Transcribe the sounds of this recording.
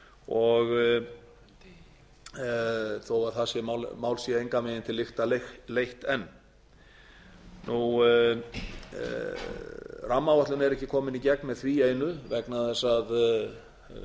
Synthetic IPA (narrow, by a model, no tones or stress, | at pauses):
ɔɣ | θowaɾθasjɛmamaːwlsjɛejŋkamɛðɪnt̪ʰɪlːɪxt̪alexlejht̪ɛnː | nʔu | ramːavaht̪lʏnɛɾɛhcːɪkʰɔːmɪnicɛk̚nmɛðθvieːjnʏvɛknaðɛsað